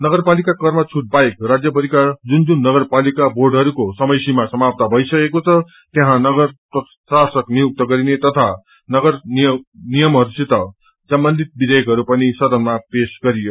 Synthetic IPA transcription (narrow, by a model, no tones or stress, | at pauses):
nʌɡʌrpalikakʌrmʌt͡sʰuʈ̚bajkrad͡zjʌpʌɾikad͡zund͡zunːʌɡʌrpalikabʱorɖɦʌɾukosʌmʌjsimasʌmap̚t̪abʱʌisʌkekot͡sʰʌ | t̪jeɦãnʌɡʌrpʌ | sasʌknijuk̚t̪ʌɡʌɾinet̪ʌt̪ʰa | nʌɡʌr | nijʌmɦʌɾuset̪ʌ | sʌmbʌnd̪ʱit̪̚bid̪ʱʌjʌkɦʌɾupʌnisʌd̪ʌnmapesɡʌɾijo